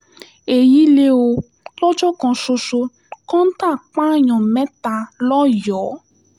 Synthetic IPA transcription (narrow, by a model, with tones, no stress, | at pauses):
e˨ji˦le˦o˧ | lɔ˦d͡ʒɔ˦kɔ̃˨ʃo˧ʃo˧ | kɔ̃˦n̩˦tã˦˨k͡pã˦ɲɔ̃˨mɛ̃˦ta˧lɔ˦jɔ˨˦